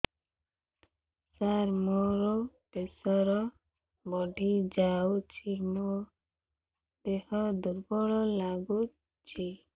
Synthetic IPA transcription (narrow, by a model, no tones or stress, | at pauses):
saɾmoɾɔ | pesɔɾɔ | bɔɖʱid͡ʒawt͡ʃʰino | d̪ehɔd̪uɾbɔɭɔlaɡu | t͡ʃʰi